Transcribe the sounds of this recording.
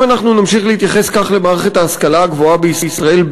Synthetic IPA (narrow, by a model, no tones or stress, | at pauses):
anaχnunamʃiχlehit̪jaχe̞skaχle̞maːʁeχe̞t̪haːskalaːɡvo̞abeisisʁae̞l